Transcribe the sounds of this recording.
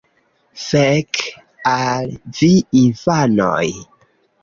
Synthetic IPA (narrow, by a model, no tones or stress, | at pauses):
sek | alviinfano̰j